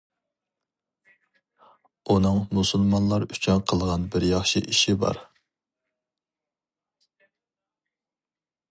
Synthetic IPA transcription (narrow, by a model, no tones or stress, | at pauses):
unɨŋmusulˠmɑnlˠɑɾyt͡ʃʰynqʰəlˠʁɑnbɪɾjɑχʃiʔiʃibɑ̰ɾ